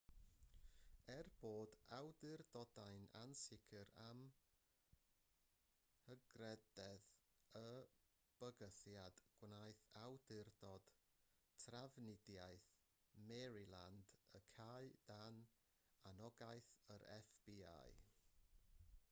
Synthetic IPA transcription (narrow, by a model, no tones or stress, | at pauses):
ɛrb̥oːdawdɪrdɔdajna̰nsɪkʰɨɾam | həɡrɛdɛðə | b̥əɡəθjad̥ɡ̥wnajθawdɪrdɔd̥tʰravnɪdjajθ | mɛɾilˠa̰ndəkʰaɨd̥an | anɔɡajθəɾɛ̰fb̥ia̰j